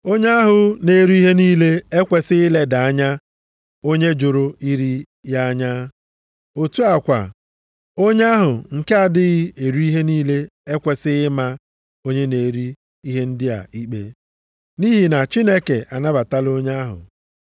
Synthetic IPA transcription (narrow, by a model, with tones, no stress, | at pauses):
o˦ɲe˦ɦʊ˨ne˨ɾu˦i˦ɦe˦niː˦le˦e˦kʷe˨sɪ˦ɪ˦le˦da˨a˦ɲa˦ | o˦ɲe˦d͡ʒo˨ɾo˦i˦ɾi˦ | ja˦a˦ɲa˦ | o˨tu˦a˨kʷa̰˨ | o˦ɲe˦a˦ɦʊ˨ŋ̩˨ke˦a˨dɪ˦ɣɪ˦e˨ɾu˦i˦ɦe˦niː˦le˦e˦kʷe˨sɪ˦ɪ˦ma˦ | o˦ɲe˦ne˨ɾi˦ | i˦ɦe˦n̩˦dɪ˦a̰˨i˦k͡pḛ˦ | ni˦ɦi˨na˨t͡ʃi˦ne˦ke˨ʔa˨na˦ba˨ta˦lo˦ɲa˦ɦʊ̰˨